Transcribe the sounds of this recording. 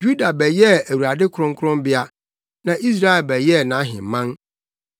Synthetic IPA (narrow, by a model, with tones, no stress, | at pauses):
d͡ʒu˦da˨bɛ˨jɛ˦˨æ˨wu˨ɾa˨dɪ˦kʰʊ˨ɾʊ̃˦ŋkʰʊ˦ɾʊ̃˦mbɪ˦a˦ | nã˨ʔi˦s̬ɾa˦ɛ˨lbɛ˨jɛ˦˨nã˨˦ɦɪ̰̃˨m˨mã˦n